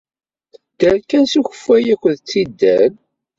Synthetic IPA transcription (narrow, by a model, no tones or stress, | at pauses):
d̪̥əɾkænsuçə̥fːæjækʷənðt͡sːid̪ːæn